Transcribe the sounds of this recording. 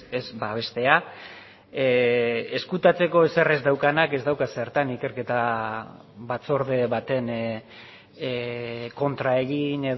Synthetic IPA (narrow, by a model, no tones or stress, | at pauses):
ezbaβ̞e̞st̪e̞a | eskut̪at͡se̞ko̞esere̞zd̪awkanake̞zd̪awkaseɾt̪anike̞ɾke̞t̪a | βat͡so̞ɾð̞e̞βat̪e̞n | ko̞nt̪ɾae̞ɣine̞